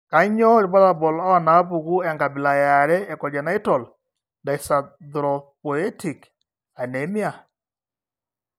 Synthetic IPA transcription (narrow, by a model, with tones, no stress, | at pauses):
ka˦i˦ɲɔ˦ɾi˨ba˦ða˨bɔ˨la˦wa˨na˨˦βu˨ɣu˦ɛ˨ŋɡa˨bi˨la˨ja˨ɾɛ˦ɛ˨kɔ˨ɾja˨na˨i˦tɔ˨l | nda˨isa˨ðɾɔ˨pɔ˨ɛ˦ti˨k | a˨nɛ˨˦mja˦˨